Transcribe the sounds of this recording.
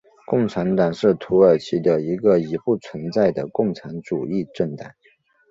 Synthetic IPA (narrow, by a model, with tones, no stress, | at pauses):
kʊ˥˩ŋʈ͡ʂʰa˧˥nt̪ɑ˨˩ŋʂɻ̩˥˩t̪ʰu˧˥ə˞˨˩t͡ɕʰi˧˥d̪ə˧i˧˥ɡə˧i˧˥xu˥˩t͡sʰwə˧˥nt͡sa˥˩ɪd̪ə˩kʊ˥˩ŋʈ͡ʂʰa˧˥nʈ͡ʂu˨˩i˥˧ʈ͡ʂə˥˩nt̪a˨˩˦n